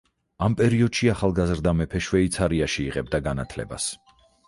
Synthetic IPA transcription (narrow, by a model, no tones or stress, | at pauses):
ampʼɛɾiɔd̪̥ʃiaχalˠɡazɾd̪amɛpʰɛʃwɛit̪sʰaɾiaʃiːʁɛb̚d̪aɡanat̪ʰlɛ̰ba̰s